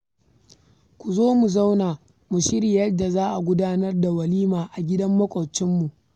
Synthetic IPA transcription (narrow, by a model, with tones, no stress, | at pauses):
kʷu˨zoː˦mu˨za˦wnaː˨ | mu˨ʃɪ˦ɾiː˨jɐ˦da˨zaː˦ʔa˨ɡʷʊ˦daː˦nɐ˦rda˨wɐ˨liː˦maː˨ʔa˨ɡʲɪ˦dɐ˦mːɐ˦kʷʼɐ˨t͡ʃɪ˦mːu˨ʔ